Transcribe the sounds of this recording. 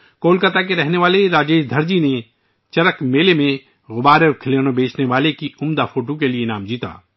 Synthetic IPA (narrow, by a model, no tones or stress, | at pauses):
koːlkət̪akeɾɛɦneʋaːleɾaːd͡ʒeːʃd̪ʱəɾd͡ʒine | t͡ʃɐɾəkmeːlemẽ | ɣʊbaːɾeɾkʰɪleːnõbʱeːt͡ʃneʋaːlekiʊmd̪afʰoːʈokelienaːmd͡ʒiːt̪a̰ː